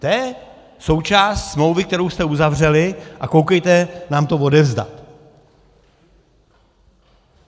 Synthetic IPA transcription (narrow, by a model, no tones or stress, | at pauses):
t̪jɛɛ | so̞wt͡ʃaːst̪smlo̞wvɪk̚t̪ɛɾowst̪ɛuzavr̝ɛlɪʔakowkɛjt̪ɛnaːmt̪o̞vo̞dɛvzda̰t̪